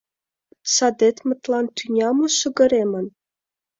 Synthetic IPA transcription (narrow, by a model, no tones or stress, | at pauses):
sɑd̪et̪mə̆t̪lɑnt̪ynʲɑmŏʃə̆ɡə̆ɾemə̆n